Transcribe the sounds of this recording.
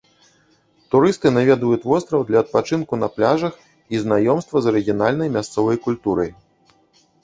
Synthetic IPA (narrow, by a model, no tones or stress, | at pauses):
t̪uɾɨst̪ɨnavʲɛd̪vujut̪ʲvɔst̪ɾɐwd̪lʲɐːt̪̚pat͡ʂɨnkunɐplʲaʐɐx | iznajɔmst̪vɐzɐɾɨɣʲijanalʲnɐjmʲast̪sɔvɐjkulʲt̪uɾɐj